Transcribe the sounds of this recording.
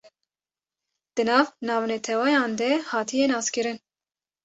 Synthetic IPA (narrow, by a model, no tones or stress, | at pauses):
d̪̥ɨnɑːvnɑːvnɛt̪ʰɛwɑjɑːnd̪ɛhɑːt̪ʰijɛnɑːskɨɾɨn